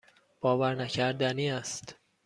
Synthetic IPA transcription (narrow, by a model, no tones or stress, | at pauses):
b̥ɒːvæɾnæcʰæɾd̪æniːæst̪